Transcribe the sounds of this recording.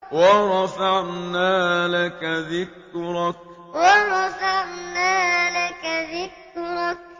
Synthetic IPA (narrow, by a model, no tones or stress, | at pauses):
wɑɾˤɑfaʕnaːlakaðɪk | ɾˤɑk̚ | wɑɾˤɑfaʕnaːlakaðɪk | ɾˤɑk̚